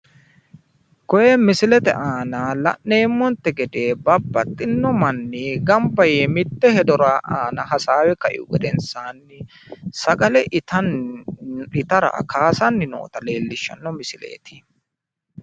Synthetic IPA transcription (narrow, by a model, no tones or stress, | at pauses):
kɔjɛmɪsɪlɛt̪ɛ̰ʔaːnaːlɐ̰ʔːe̞ːmːɔnt̪ːɛɡɛd̪e̞ːbɐbːɐt̪ʼːɪnːɔmɐnːiɡɐmbɐjeːmɪt̪ːɛhɛd̪ɔɾaːʔaːnɐɦɐsaːwɛkɐʔɪ̰ʊɡɛd̪ɛnsaːnːɪ | sɐɡɐlɛʔt̪ɐ | ɪt̪ɐɾɐ̰kʰaːsɐnːɪnɔ̰ːt̪ɐle̞ːlːɪʃːɐ̰nːɔmɪsɪlḛːt̪ɪ